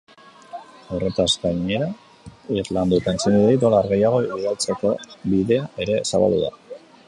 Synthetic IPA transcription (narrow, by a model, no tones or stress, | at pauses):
awre̞t̪azɡaɲe̞ɾa | irland̪ut̪aent͡siniðejt̪olaɾɣe̞jaɣ̞o̞ɣalt͡se̞ko̞biðe̞aʔe̞ɾe̞saβa̰ld̪ṵða̰